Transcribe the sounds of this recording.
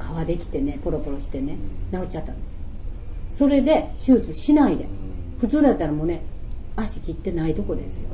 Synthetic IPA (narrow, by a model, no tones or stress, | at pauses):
kʰaβad̪e̞kʲi̥t̪e̞ne̞po̞ɾo̞po̞ɾo̞ɕi̥t̪e̞nenaɯt͡ɕat̪ːã̰nd̪e̞sɨjoso̞ɾe̞d̪e̞ɕɨːt͡sɨɕinaid̪e̞̰ | ɸɯ̟t͡sɨːd̪at̪ːaɾamo̞ːne̞aɕi̥kʲit̪ːe̞naid̪o̞ko̞d̪e̞sɨ̥jo̞̰